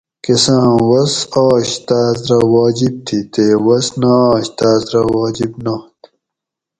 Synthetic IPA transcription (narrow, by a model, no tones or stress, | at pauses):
kesãːwɐsaːɕt̪aːzɾɐwaːd͡ʑib̚t̪ʰit̪eːwɐsnaːɕt̪aːzɾɐwaːd͡ʑibnat̪